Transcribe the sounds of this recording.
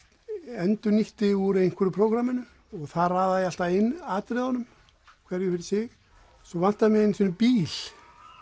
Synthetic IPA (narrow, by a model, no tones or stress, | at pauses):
ɛnt̪ʏniht̪ɪuɾejn̥kʰɛɾʏpʰɾoːwkɾamɪnʏ | ɔɣθaðraːðaðɪal̥t̪aɪnːaːt̪ɾɪðanʏm | kʰvɛɾjʏfɪɾɪ̥sɪɣ | sɔvan̥t̪aamjɛɣɪnisɔnʏpiːl̥